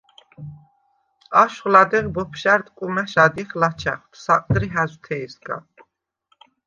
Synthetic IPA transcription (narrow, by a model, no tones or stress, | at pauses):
aʃχlad̪ɛʁbɔpʰʃaɾt̪kʼumɛʃad̪iχlat͡ʃʰa̰χt̪ʰsaqʼd̪ɾiɦæzt̪ʰɛːsɡa̰